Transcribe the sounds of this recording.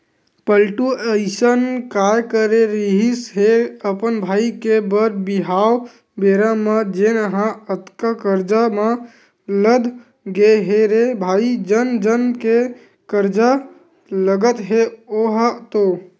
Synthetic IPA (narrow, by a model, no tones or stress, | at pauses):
pəlʈuəɪsənkajkəɾeɾiɦisɦeəpənbʱaːikebəɾbiɦaw | beɾamad͡ʒenəɦãət̪kakəɾd͡ʒamã | ləd̪ʱ | ɡeɦeɾebʱaːid͡ʒənd͡ʒənke | kəɾd͡ʒa | ləɡət̪ɦeoɦt̪o